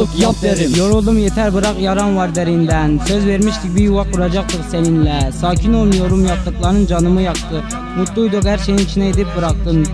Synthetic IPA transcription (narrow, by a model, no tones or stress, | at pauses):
ɾjoɾulˠd̪umjet̪ʰɛɾbɨɾɑqjɑɾɑnwɑɾd̪ɛɾind̪ɛnsøzveɾmiʃt̪ɪk̚ʲbijuwɑqːuɾɑd͡ʒɑq̚t̪əqsɛnɪnlɛsɑːkʲʰinolˠmjoɾumjɑq̚t̪əqlˠɑɾnɨnd͡ʒɑnɨmɯjɑqt̪ʰɨ | mut̪ːuujd̪oqhæɾʃejniŋʲʰiʃinɛed̪ɪp̚bɯɾɑqt̪ɨm